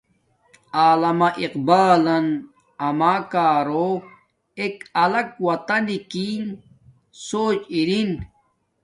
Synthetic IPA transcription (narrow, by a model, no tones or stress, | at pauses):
aːlɐmɐʔiqbaːlɐn | ɐmaːkaːɾo | ekɐlɐk̚wɐt̪ɐnikin | soːt͡ɕiɾin